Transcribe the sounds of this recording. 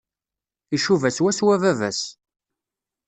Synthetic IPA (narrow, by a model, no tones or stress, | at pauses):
iʃuvæswæswævævæ̰s